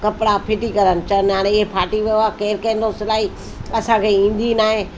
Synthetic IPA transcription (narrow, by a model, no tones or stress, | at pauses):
kɐpɪɽapʰɪʈikɐɾənɪ̆t͡ɕənaːɽ̃eɪɦepʰaːʈiʋijoakeːɾkɐ̃ɪ̃n̆d̪osɪlaːɦi | ɐsãkʰeĩːn̆d̪inaːɦẽ